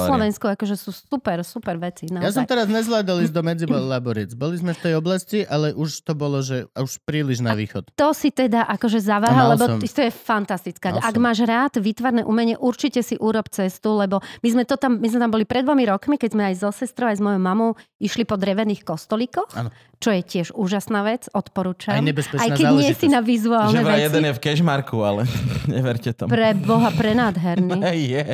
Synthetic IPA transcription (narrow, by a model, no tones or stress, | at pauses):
slɔʋɛnskuakɔʒɛsuːsupɛɾsupɛɾʋɛt͡sinajas̬ɔmt̪ɛɾazɲɛzʋlaːd̪alizd̪ɔmɛd͡zibɔlabuɾiɛd͡zbɔlizmɛft̪ɛjɔblasciʔalɛʔuʃt̪ɔbɔlɔʒɛauʃpɾiːliʒna̰ʋḭːxɔt̪t̪ɔsit̪ɛd̪aʔakɔʒɛzaʋaːɦalɛbɔt̪ɔjɛfant̪ast̪it͡skaaɡmaːʒɾaːd̪ʋit̪ʋaɾnɛʔṵmɛɲɛʔuɾt͡ʃicɛsiʔuːɾɔpt͡sɛst̪ulɛbɔmizmɛt̪ɔt̪ammizmɛt̪ambɔlipɾɛd̪ʋɔmiɾɔkmikɛɟzmɛajzɔsɛst̪ɾɔʊajzmɔjɔʊmamɔʊiʃlipɔd̪ɾɛʋɛniːxkɔst̪ɔlikɔx | t͡ʃɔjɛcɪɛʒuːʒasnaːʋɛt͡sɔt̪pɔɾuːt͡ʃamɛbsajkɛɲɪɛsinaʋizuaːlnɛʋɛjɛd̪ɛnjɛfkɛʒmaɾkualɛɲɛ̰ʋɛɾcɛt̪ɔ̰pɾɛbɔɦapɾɛnaːd̪ɦɛɾnijɛ